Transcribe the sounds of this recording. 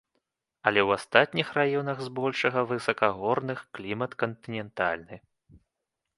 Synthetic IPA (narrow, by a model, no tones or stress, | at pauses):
ɐlʲɛwast̪at̪̚ʲnʲixrajɔnɐɣzbɔlʲʂɐɣɐvɨsɐkɐɣɔrnɨxklʲimɐt̪kɐnt̪ɨnʲɛnt̪a̰lʲnɨ